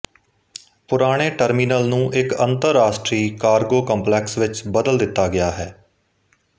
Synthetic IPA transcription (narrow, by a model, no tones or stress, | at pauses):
pʊɾaːɽ̃eːʈəɾmiːnəlnũːʔɪkənt̪əɾːaːsʈɾiːkaːɾɡoːkəmplɛːksʋɪt͡ʃbəd̪əld̪ɪt̪ːaːɡɪjaːɦɛː